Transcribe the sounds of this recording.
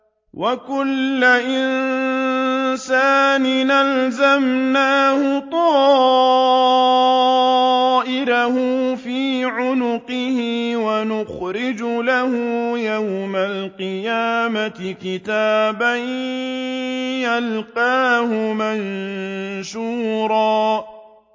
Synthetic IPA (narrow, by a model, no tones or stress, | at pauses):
wʔakʊlːaʔɪn | saːnɪnalzamnaːhʊt̪ˤɑː | ʔɪɾahʊfiːʕʊnʊqɪhɪwanʊxɾɪd͡ʒʊlahʊjawmalqɨjaːmatɪkɪt̪aːban | jalqɑːhʊman | ʃuːɾˤɑː